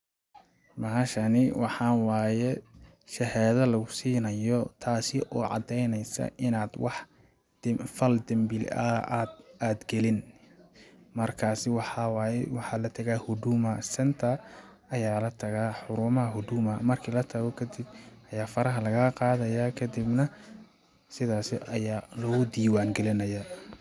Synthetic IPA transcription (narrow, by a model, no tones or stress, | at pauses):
mɐɦɐʃɐnɪwɑħɑːnwaːjɛ | ʃɛhɛːðɐlɐɣʊsiːnɐjɔt̪ʰaːsɪʔɔːʕɑ̰d̪ɛjnɛjsɐ̰ʔɪnaːd̪wɑħ | fɐld̪ɐmbɪlɐʔaːd̪aːd̪ɡɛlɪn | mɐrkʰaːsɪwɑħɑwaːjɛwɑħɑːlɐt̪ʰɐɣaːhʊd̪umɐsɐnt̪ʰɐ | ɐjaːlɐt̪ʰɐɣaːħʊɾʊːmɐɦɐɦʊd̪uːmɐmɐrkʰiːlɐt̪ʰɐɣɔkʰɐd̪ɪb̚ɐjaːfɐɾɐɦɐlɐɣɐqɑːðɐjaːkʰɐd̪ɪbnɐ | sɪðaːsɪʔɐjaːlɔːɣʊd̪iːwaːŋɡɛlɪnɐja